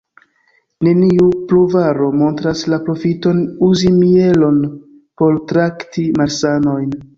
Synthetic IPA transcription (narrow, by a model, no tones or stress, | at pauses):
ne̞niupluvaɾo̞mo̞ntɾaslapɾo̞fito̞nuzimie̞lo̞n | po̞ɾtɾaktimaɾsano̞jn